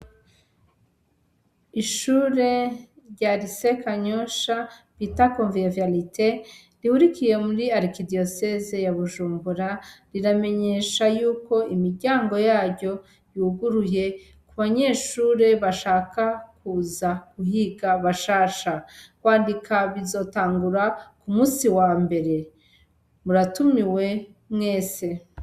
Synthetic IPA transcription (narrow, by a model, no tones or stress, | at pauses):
iʃuːɾe̞ | ɾɟaːɾise̞kaɲoʃaβitakoːɱviavjalite | ɾihuɾikije̞muɾiaɾikidiosezejaβuʒuːmbuɾaɾiɾame̞ɲe̞ʃajuːko̞imiɾɟaːŋɡo̞jaːɾɟo̞ | juːɡuɾuje̞ | kuβaɲe̞ːʃuːɾe̞βaʃaːkakuːzaɡuhiɡaβaʃaːʃakwaːndikʰaβizo̞ːtaːŋɡuɾakumuːsiwambe̞ɾe̞ | muɾatumiwe̞ | mŋe̞ːse̞